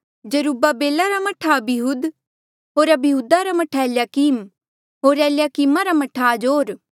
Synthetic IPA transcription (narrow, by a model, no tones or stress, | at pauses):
d͡ʒɐɾuːbabeːlaɾamɐʈʰabɪɦuːd̪ | ɦoːɾɐbɪɦuːd̪aɾamɐʈʰaljakiːm | ɦoːɾɛːljakiːmaɾamɐʈʰad͡ʒoːɾ